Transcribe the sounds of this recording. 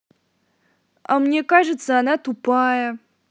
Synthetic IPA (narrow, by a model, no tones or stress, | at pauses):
a̰mnʲekaʐɨt̪səɐnat̪upajə